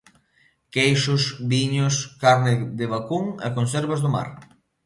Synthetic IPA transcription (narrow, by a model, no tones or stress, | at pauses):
kejʃʊsβiɲʊskaɾnɪðɪβakuŋa̰konseɾβozðʊma̰ɾ